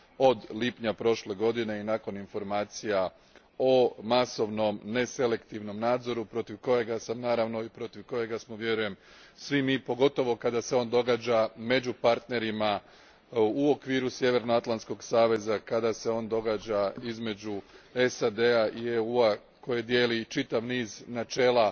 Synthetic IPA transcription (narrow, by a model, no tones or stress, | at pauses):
o̞d̪lipɲapɾo̞ʃle̞ɡo̞d̪ine̞inako̞ninfo̞ɾmaːt̪sija | o̞maso̞ʋno̞mne̞se̞le̞kt̪iʋno̞mnaːd̪zo̞ɾupɾo̞t̪iʋko̞jeɡasamnaːɾaʋno̞ipɾo̞t̪iʋko̞je̞ɡasmoʋje̞ɾuje̞m | sʋimiːpo̞ɡo̞t̪o̞ʋo̞kad̪ase̞o̞ːnd̪o̞ɡaːd͡ʑame̞d͡ʑupaɾt̪ne̞ɾima | uo̞kʋiːɾusje̞ʋe̞ɾnoat̪lˠansko̞ɡsaːʋe̞zakad̪ase̞o̞ːnd̪o̞ɡad͡ʒaizme̞d͡ʑue̞sad̪e̞aʔieuːa | ko̞jed̪je̞ːlit͡ʃit̪aʋniːznat͡ʃe̞ːlˠa